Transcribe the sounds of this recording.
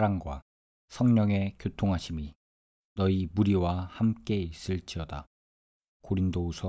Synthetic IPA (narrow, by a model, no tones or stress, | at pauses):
ɾaŋɡwa | sʰʌŋɲʌŋe̞kjotʰoŋɦaɕʰimi | nʌimuɾiwahamk͈e̞is͈ɯɭt͡ɕ͈iʌda̰ | koɾindousʰʌ